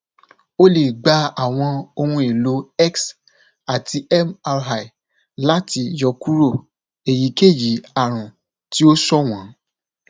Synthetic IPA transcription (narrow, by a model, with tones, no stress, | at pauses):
o˦le˨ɡ͡ba˨˦a˦˨w̃ɔ̃˧o˧ɾũ˧i˨lo˨˧˦ɛ˦ks | a˨ti˧ɛ˦ma˧ɾɦa˨i˨ | la˦ti˧jɔ˨˧ku˦ɾo˦˨ | e˨ji˨˦ke˦˨ji˨˦a˦˨ɾ̃ũ˨ | ti˦o˦sɔ˦w̃ɔ̃˨˦